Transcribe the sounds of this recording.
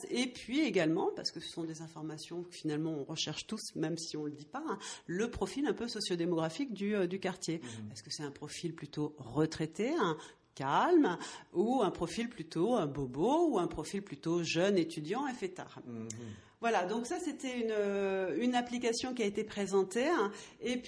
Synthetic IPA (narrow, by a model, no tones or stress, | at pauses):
epɥieɡalmɑ̃pa̰ʁsə̥kəsə̥sɔ̃d̪ezɛ̃fɔʁmasjɔ̃əfinalmɑ̃ɔ̃ʁəʃɛʁʃt̪usmɛmsiɔ̃ləd̪ipaɛ̃ləpχɔfilɛ̃pøsɔsjod̪emɔɡʁafikd̪yød̪ykaʁt̪jepɛskəsɛt̪ɛ̃pχɔfilplyt̪oʁət̪χet̪eɛ̃ | kalmuɛ̃pχɔfilplyt̪õbobouɛ̃pχɔfilplyt̪oʒœnet̪yd̪jɑ̃ɛfɛt̪a̰ːʁ | vwalad̪ɔ̃ksaset̪ɛynøynaplikasjɔ̃k̬ʲiaet̪epχezɑ̃t̪eɛ̃ep